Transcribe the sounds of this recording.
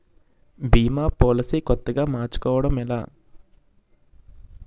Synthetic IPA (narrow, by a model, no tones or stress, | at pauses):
biːmaːpoːlɐsiːkɔt̪ːɐɡaːmaːɾt͡ʃu̥kɔːʋɐɽɐmɛla̰ː